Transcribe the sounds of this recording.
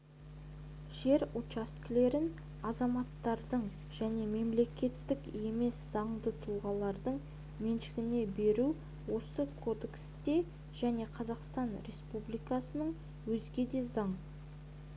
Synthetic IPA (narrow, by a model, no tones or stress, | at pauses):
ʒ̥e̞ɾut͡ʃast̪kle̞ɾɪn | ɑzɑmɑt̪ːɑɾd̪əɴ | ʒ̥æne̞me̞mle̞kʲe̞t̪ːɪke̞me̞sz̥ɑɴd̪ət̪ʰuʁɑlˠɑɾd̪əɴ | menʃɪɡʲɪne̞be̞ɾu | wo̞səkʰo̞d̪e̞kst̪e̞ | ʒ̥æne̞qʰɑzɑqst̪ɑnɾe̞spublijkɑsənəɴ | wɵzɡʲe̞d̪e̞zɑɴ